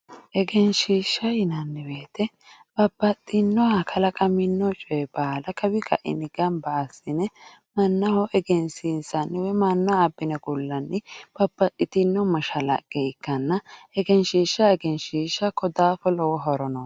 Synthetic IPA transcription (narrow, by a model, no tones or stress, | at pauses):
ʔɛɡɛnʃiːʃːɐjɪnɐnːɪbeːt̪ɛ | b̥ɐbːɐt̪ʼːɪnːɔɐkʰɐlɐkʼɐmɪnːɔt͡ʃʼɔɛbaːlɐkɐbɪkʰɐ̰ʔɪ̰nɪɡɐmbaːsːɪnɛ | mɐnːɐhɔʔɛɡɛnsinsɐnːɪwɛmɐnːaːbːɪnɐɡʊlːɐnːɪb̥ɐbːɐt̪ʼːɪt̪ɪnːɔmɐʃɐlɐ̰ɡ̥ɛɪkːɐnːɐɛɡɛnʃiːʃːɐɛɡɛnʃiːʃːɐkːɔd̪aːfɔlɔwɔɦɔɾɔnɔ